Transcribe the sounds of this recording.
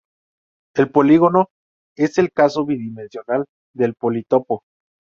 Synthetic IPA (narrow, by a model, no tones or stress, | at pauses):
e̞lpo̞liɣo̞no̞ | e̞se̞lkaso̞βiðimensjo̞nal | d̪e̞lpolit̪o̞po